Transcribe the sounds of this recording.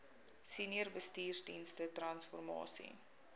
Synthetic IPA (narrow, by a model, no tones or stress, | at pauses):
siniərbəstiːrdinstətrɐnsfɔrmɑ̰ːsḭ